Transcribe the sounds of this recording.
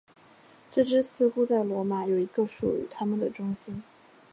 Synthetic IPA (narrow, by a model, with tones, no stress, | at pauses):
ʈ͡ʂɤ˥˩ʈ͡ʂɻ̩˥sʰɹ̩˧˥xu˥t͡sa˥˩ɪlwɔ˧˥ma˨˩˦jo˨˩ʊi˧˥ɡə˧ʂṵ˨˩y̰˧˩t̪ʰa˥mə˨nd̪ə˩ʈ͡ʂʊ˥ŋɕi˥n